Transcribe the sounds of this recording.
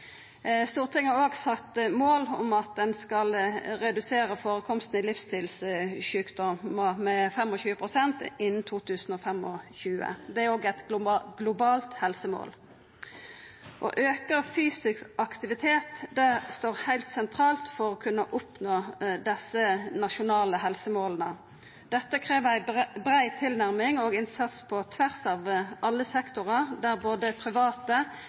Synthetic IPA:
st̪uːʁt̪ʰɪŋːhæʁoːɡsɑkt̪moːlɔ̰mɑt̪̚d̪ɛnskɑlɾɛd̪ʉseːɾəfoːɾəkʰɔmst̪n̩ɪlɪfst̪ʰɪlsʃʉːkd̪ɔməmɛfɛmɔɕʉːəpʰʁʊsɛnt̪ɪnn̩t̪ʰuːt̪ʰʉːsn̩ɔːfɛmɔçʉːə̰d̪ɛæɾoːɡɛt̪ɡ̥lʊbɑːlt̪hɛlsəmo̰ːl | ʔɔ̰ʔøːkəʁfyːsɪskʔɑkt̪ɪʋɪt̪ʰeːt̪d̪æst̪oːʁhæɪlt̪sɛnt̪ʰʁɑːlt̪fɔʁɔːkʰʉnːəʔʊpnoːd̪ɛsənɑʃʊnɑːləhɛlsəmoːlənə | d̪̥ɛt̪ːəkʰʁeːʋæɪbʁæɪt̪ʰɪlnæʁmɪŋoːɡɪnsɑt̪spʰɔt̪ʰʋæʁsɑːʋʔɑlːəsɛkt̪ʊʁəʁd̪æʁboːd̪əpʰʁɪʋɑːt̪ə

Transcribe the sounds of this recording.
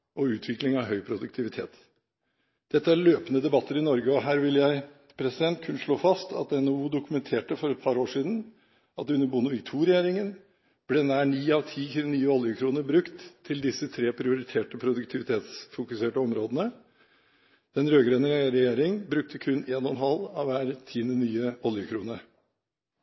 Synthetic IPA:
ɔʉːt̪ʰʋɪklɪŋɑʋɦœʏpʰɾʊd̪ʉkt̪ʰɪʋɪt̪ʰḛːt̪ | d̪̥ɛt̪ːəæːɾløːpənəd̪ɛbɑt̪ːəɾɪnɔɾɡəɔɦæːɾʋɪljæɪ | pʰɾɛsɪd̪ɛnt̪kʰʉnːʂɭoːfɑst̪ʰɑt̪ɛnouːd̪ʊkʉmɛnt̪ʰeːʈəfɔɾɛt̪̚pʰɑɾoːʂiːd̪n̩ | ʔɑt̪ʉnːəbʊnʊʋɪɡt̪ʰuːɾɛjeːɾɪŋən | b̥leːnæːɳiːɑʋt̪ʰiːç̪nyːəɔljəkʰɾuːnəɾbɾʉkt̪ʰːɪld̪ɪsət̪ʰɾeːpʰɾɪʊɾɪt̪ʰeːʈəpʰɾʊd̪ʉkt̪ʰɪʋɪt̪ʰeːt̪sfʊkʉseːʈəɔmɾoːd̪ənə | d̪̥ɛnɾøːɡɾeːnəɾɾɛjeːɾɪŋbɾʉk̚t̪ʰəkʰʉnːeːnɔnɦɑlɑʋʋæːɾt̪ʰiːənənyːəɔljəkʰɾuːnəɾ

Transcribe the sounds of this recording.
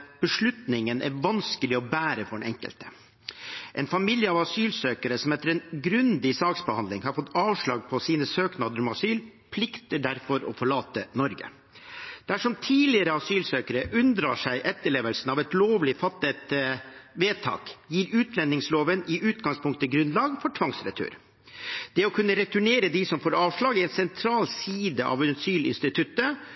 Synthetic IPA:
b̥əʂɭʉt̪nɪŋənʔæ̰ɾʋɑnskəlɪɔbæːɾəfɔɖɛnɛŋkə̰lt̪ə̥ | ʔɛnfɑmɪljəɑʋɑsyːlsøːkəɾəsɔmɛt̪ːəɾɛnɡɾʉnd̪ɪsɑːksbəhɑnd̪lɪŋhɑɾfɔt̪ːɑːʋʂɭɑːɡ̚pʰɔsiːnəsøːknɑːd̪əɾɔmɑsyːlpʰlɪkt̪əɖæɾfɔɾɔ̰fɔɭɑːt̪ənɔɾɡə̰ | d̪̥æʂɔmt̪ʰiːlɪəɾəɑsyːlsøːkəɾəʔʉnd̪ɾɑ̰ːʂæɪʔɛt̪ːəɭeːʋəlsn̩ɑʋɛt̪loːʋlɪfɑt̪ːət̪ʋeːt̪ʰɑ̰ːkjiːɾʉːt̪lɛnːɪŋsloːʋənɪʔʉːt̪ɡɑŋspʰʊŋkt̪əɡɾʉnlɑːɡfɔʈʰʋɑŋsɾɛ̰t̪ʰø̰ːɾ | d̪̥ɛɔkʰʉnːəɾɛt̪ʉɳeːɾəd̪ɪsɔmfoːɾɑːʋʂɭɑːɡɛnsɛnt̪ʰɾɑːlsiːd̪əʔɑ̰ʋnɑsyːlɪ̰nst̪ɪt̪ʰʉt̪ːə

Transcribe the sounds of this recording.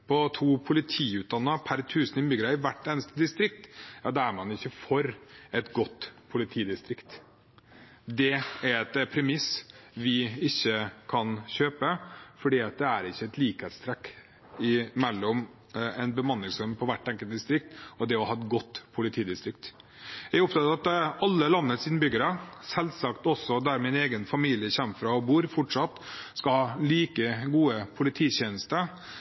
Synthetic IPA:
pʰɔt̪ʰuːpʰʊlɪt̪ʰiːʉːt̪̚d̪ɑnːəpʰæɾt̪ʰʉːsənɪmʏɡɾəɪʋæʈːeːnəst̪əd̪ɪst̪ɾɪk̚t̪jɑːd̪ɛæɾmɑnɪçːəfɔɾɛt̪ɡɔt̪ːpʰʊlɪt̪ʰiːd̪ɪst̪ɾɪkt̪ | d̪ɛæɾɛt̪pʰɾɛmɪsʋɪɪçːəkʰɑnçøːpəfɔɖiːɑt̪̚d̪ɛæɾɪçːəɛt̪liːkheːt̪st̪ʰɾɛkː | ɪmɛlːɔm | ɛnbəmɑnːɪŋsœmpʰɔʋæʈːɛŋkəlt̪̚d̪ɪst̪ɾɪk̚t̪ɔd̪ɛɔhɑːɛt̪̚ɡɔt̪ːpʰʊlɪt̪ʰiːd̪ɪst̪ɾɪk̚t̪ | jɛɡɔp̚t̪ɑt̪ɑɑt̪ɑlːəlɑnːəsɪnbʏɡəɾəsɛlsɑkt̪ɔsɔd̪æɾmɛɛneːɡənfɑmiːlɪəçɛmːfɾɑɔbuːɾfɔʈʂɑt̪ːskɑlhɑːliːkəɡuːəpʰʊlɪt̪ʰiːɕeːnəst̪ə

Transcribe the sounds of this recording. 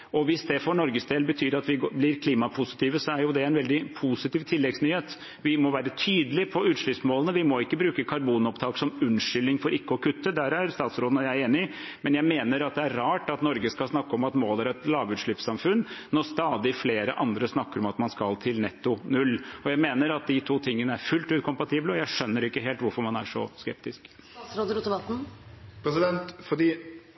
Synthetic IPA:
ɔʋɪsd̪ɛfɔɳɔɾɡəsd̪eːlbət̪ʰyːɾɑt̪ʋɪblɪɾkʰliːmɑpʰʊsɪ̥t̪ʰiːʋəsɔæɾjʊd̪ɛæɪnʋɛld̪ɪpʰusɪt̪iːʋt̪ʰɪlːɛɡsnyːheːt̪ | ʋɪmɔʋæːɾət̪ʰyːd̪əlɪpʰɔʉːt̪ʂɭʏpsmoːlənəʋɪmɔɪkːəbɾʉːkəkʰɑɾbuːnɔpt̪ʰɑːksɔmʉnʂʏlːɪŋfɔɾɪkːəɔkʰʉt̪ːəd̪æːɾæɾst̪ɑːt̪sɾoːd̪ənɔjæɪeːnɪ | mɛnjæɪmeːnəɾɑt̪̚d̪ɛæɾɾɑːʈɑt̪nɔɾɡəskɑlsnɑkːəɔmɑt̪moːlæɾɛt̪lɑːʋʉːt̪ʂɭɪpsɑmfʉnːnɔst̪ɑːd̪ɪfleːɾə̰ʔɑnd̪ɾəsnɑkːəɾɔmɑt̪mɑnskɑlt̪ʰɪlnɛt̪ːʊnʉlːɔjæɪmeːnəɾɑt̪̚d̪ɪt̪ʰuːt̪ʰɪŋːənəæɾfʉlt̪ʉːt̪̚kʰʊmpɑt̪ʰiːbləɔjæɪʂœnːəɾɪkːəɦeːlt̪ʋʊɾfɔɾmɑnæ̰ʂɔskɛp̚t̪ɪsk̪ | sɾoːd̪əɾʉt̪əʋɑt̪n̩pʰɾɛsɪd̪ɛnt̪fɔɖiː

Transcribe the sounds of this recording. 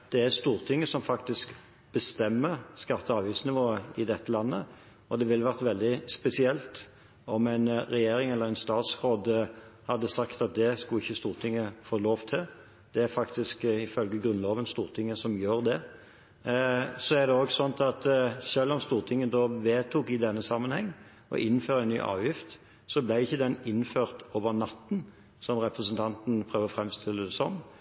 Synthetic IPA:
d̪̥ɛæɾst̪uːɾt̪ʰɪŋːəsɔmfɑkt̪ɪsk | b̥əst̪ɛmːəskɑt̪ːəɑːʋiːsnɪʋoːəɪd̪ɛt̪ːəlɑnːə | ɔd̪ɛʋɪlʋæʁt̪ʋɛld̪ɪspɛsɪɛlt̪ | ɔmæɪnɾɛjeːɾɪŋɛlːəɾɛɪnst̪ɑːt̪sʁoːd̪hɑd̪ːəsɑkt̪ɑt̪̚d̪ɛskʊɪçːəst̪uːʁt̪ʰɪŋːəfoːloːʋt̪ʰɪl | d̪̥ɛæɾfɑkt̪ɪskɪfœlɡəɡʁʉnloːʋənst̪uːʁt̪ʰɪŋːəsɔmjøːɾd̪ɛ | sɔæʁd̪ɛoːɡsɔnt̪ɑt̪ʃølːɔmst̪uːʁt̪ʰɪŋːəəd̪oːʋeːt̪ʰuːkɪd̪ɛnːəsɑmːənhɛŋː | ɔ̰ʔɪnːføːɾəɛnːy̰ːʔɑ̰ːʋjɪft̪ | sɔblæɪɪçːəd̪ɛnɪnːføːʁt̪oːʋənɑt̪ːn̩ | sɔmʁɛpɾəsənt̪ʰɑnt̪n̩pʰʁøːʋəfɾɛmst̪ʰɪlːəd̪ɛsɔn

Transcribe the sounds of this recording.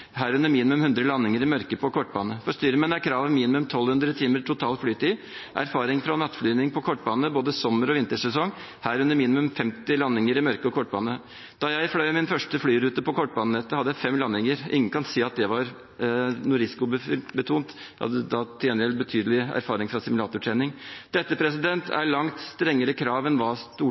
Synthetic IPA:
ɦæːɾʉnːəɾmiːnɪmʉmhʉnd̪ɾəlɑnːɪŋəɾɪmœɾkəpʰɔkʰɔʈːbɑːnəfɔʂt̪yːɾəmɛnækʰɾɑːʋənmiːnɪmʉmt̪ʰɔlhʉnd̪ɾət̪ʰiːməʈʰʊt̪ʰɑːlflyːt̪iː | ʔæ̰ɾfɑːɾɪŋfɾɑnɑt̪ːflyːnɪŋpʰɔkʰɔʈːbɑːnəboːd̪əsɔməɾɔʋɪnt̪əʂɛsɔŋ | hæːɾʉnəɾmiːnɪmʉmfɛmt̪ɪlɑnːɪŋəɾɪmœɾkəɔkʰɔʈ̚ːbɑːnə | d̪̥ɑjæɪflœʏmɪnfœʂʈəflyːɾʉːt̪əpɔkʰɔʈ̚ːbɑːnənɛt̪ːəhɑd̪əjæɪfɛmːlɑnːɪŋəɾʔɪ̰ŋːənkʰɑnsiːɑt̪̚d̪ɛʋɑɾ | nʊɾɪskʊbəbət̪ʰuːnt̪ | hɑ̰d̪ːəd̪ɑt̪ʰɪɛnəɾɛlbət̪ʰyːd̪əlɪæ̰ɾfɑːɾɪŋfɾɑsɪmʉlɑːt̪ʊʈʰɾɛːnɪŋd̪̥ɛt̪ːəpʰɾɛsɪd̪ɛnt̪ʰæ̰ɭɑŋt̪st̪ɾɛŋːəɾəkʰɾɑːʋɛnʋɑːst̪uː

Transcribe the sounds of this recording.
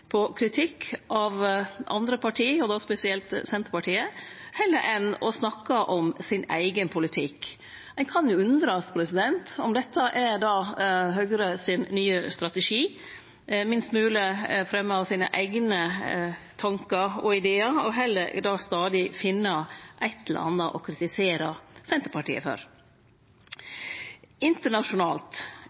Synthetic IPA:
pʰɔkʰɾɪt̪ʰɪkʰːʔɑʋʔɑ̰nd̪ɾəpɑʈʰiːɔd̪ospɛsɪɛlt̪sɛnt̪əɾpɑʈiːəhɛlːəɾʔɛnɔ̰snɑkːəʔɔmsɪnæ̰ɪɡənpʰʊlɪt̪ʰɪk | ɛnkʰɑnjʊʉnd̪ɾəɑt̪pʰɾɛsɪd̪ɛnt̪ɔmd̪ɛt̪ːəʔɛɾd̪ɑːɦœɡɾəsɪnːyːəst̪ɾɑt̪əʂiː | mɪnst̪mʉːləfɾɛmːəɑʋsiːnə̰ʔæɪɡnə | t̪ʰɑŋkəɾɔɪd̪eːəɾɔɦɛlːəɾd̪ɑːst̪ɑːd̪ɪfɪnːəʔɛt̪ːələ̰ɾɑ̰nːəʔɔkʰɾɪt̪ɪseːɾəsɛnt̪əɾpɑʈḭːə̰fø̰ːɾ | ɪnt̪əɳɑʂʊnɑːlt̪

